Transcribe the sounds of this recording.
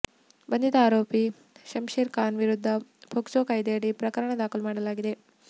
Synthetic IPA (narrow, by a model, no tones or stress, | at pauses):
bɐnd̪it̪ɐaːɾoːpi | ʃɐmʃeːɾkaːnʋiɾud̪ʱːɐbʱoksoːkɐjd̪eɽipɾɐkɐɾɐɳɐd̪aːkʰulumaːɽɐlaːɡid̪e̞